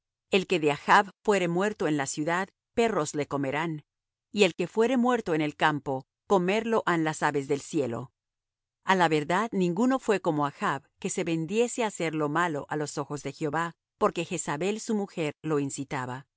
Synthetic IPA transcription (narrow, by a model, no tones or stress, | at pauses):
e̞lke̞ðeaxaβfwe̞ɾe̞mwe̞ɾt̪o̞e̞nlasjuðað | pe̞ro̞zle̞ko̞me̞ɾan | ie̞lke̞fwe̞ɾe̞mwe̞ɾt̪o̞ene̞lkampo̞ | ko̞me̞ɾlo̞ʔanlasaβe̞zðe̞lsje̞lo̞̰ | alaβe̞ɾðaðnĩŋɡuno̞fwe̞ko̞mo̞axaβke̞se̞βe̞nd̪je̞se̞ase̞ɾlo̞malo̞̰ʔalo̞so̞xo̞zðe̞xjo̞βa | po̞ɾke̞xe̞saβe̞lsumuxe̞ɾlo̞insit̪aβa